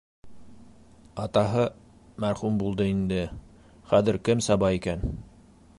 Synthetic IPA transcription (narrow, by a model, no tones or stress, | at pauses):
ɑt̪ɑɦɤ | mæɾχumbulˠd̪ɤind̪ɘ | χæðɘ̆ɾkɘmsɑbɑikæn